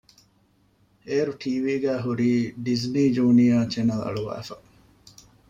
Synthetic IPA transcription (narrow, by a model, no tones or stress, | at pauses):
eːɾuʈʰiːʋiːɡæːɦuɾiːɖizniːd͡ʒuːnijaːt͡ʃenɐlɐ̰ɭuʋæ̰ːfɐ